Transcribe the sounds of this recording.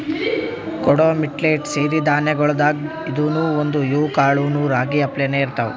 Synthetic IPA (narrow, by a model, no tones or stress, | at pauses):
kɔɽoːmiʈleːʈseːɾid̪aːnɐɡɔɭd̪aːɡ | id̪uːnuːond̪ujuːkaːɭuːnuːɾaːɡiɐplɛneiɾt̪ɐʋṵ